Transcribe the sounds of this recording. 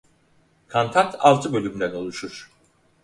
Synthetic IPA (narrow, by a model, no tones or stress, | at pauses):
kʰant̪ʰant̪ʰalˠt͡ʃ̪ʰɯbø̞lʲymd̪æno̞lˠuʃuɾ̥